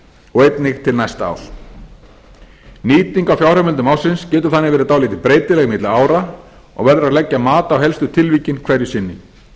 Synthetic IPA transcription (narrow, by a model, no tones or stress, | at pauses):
ɔɣejt̪nɪxt̪ʰɪlnajst̪a̰ːwl | niːt̪iŋkawfjawrœmɪnt̪ʏmawsɪnscɛːt̪ʏ̥θanːɪɣvɛːɾɪt̪aːwliːt̪ɪpɾeːjt̪ɪlɛɣmɪt̪laaːwɾa | ɔ̰ɣvɛɾðʏɾaðlɛcːamaːt̪aːwɦɛlst̪ʏt̪ʰɪlviːcɪnkʰvɛɾjʏsɪnːɪ